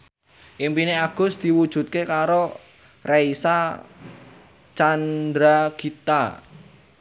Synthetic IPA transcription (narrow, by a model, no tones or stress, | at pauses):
ʔimpineaɡ̥ʊ̤sd̪̥i̤wud̥ʒ̥ṳt̪̚kekaɾo | reisa | t͡ʃand̪ɾaɡ̥it̪a